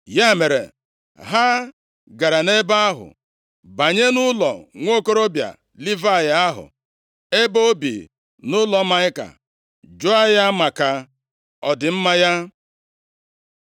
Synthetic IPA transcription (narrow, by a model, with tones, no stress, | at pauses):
ja˦˨me˨ɾḛ˨ | ɦa˦ | ɡa˨ɾa˨ne˦ba˦a˦ɦʊ̰˨ | ba˨ɲe˦nʊ˦lɔ̰˨ŋʷo˦˨ko˦ɾo˦bja̰˨ | li˦va˦˨ja˨a˦ɦʊ̰˨ | e˦bo˦o˦bḭ˨ | nʊ˦lɔ˨˦ma˨˦ɪ˦ka̰˨ | d͡ʒʊ˦a˦ja˦ma˨ka˨ | ɔ˨dɪ˨m̩˦ma˦ja˦